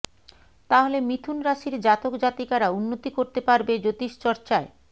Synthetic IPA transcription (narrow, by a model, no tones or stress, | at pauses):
t̪aɦolemit̪ʰunɾaʃiɾd͡ʑat̪okd͡ʑat̪ikaɾaunːot̪ikoɾt̪epaɾbed͡ʑot̪iʃt͡ɕɔɾt͡ɕae